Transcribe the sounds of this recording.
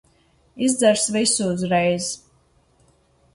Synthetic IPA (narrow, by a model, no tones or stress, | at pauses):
izd̪zɛɾsvisuːzɾɛjz